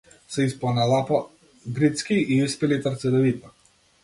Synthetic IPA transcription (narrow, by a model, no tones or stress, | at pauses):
sɛispanalˠapa | ɡɾit̪skʲiiispɛlit̪əɾt̪sɛd̪ɛvit̪a